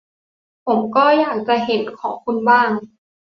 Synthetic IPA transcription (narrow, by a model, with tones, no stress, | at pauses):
pʰo˩˦mkɔː˥˩jaː˨˩k̚t͡ɕa˧˨ɦe˩˦nkʰɔː˩˦ŋkʰu˧nbaː˥˩ŋ